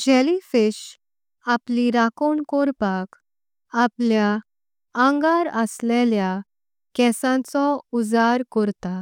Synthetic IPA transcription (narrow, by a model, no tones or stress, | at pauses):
d͡ʑɛlifiɕ | apliɾakoɳkɔɾpak | aplja | ãŋɡaɾəslɛlja | kɛsãt͡sɔud͡zaɾkɔɾt̪a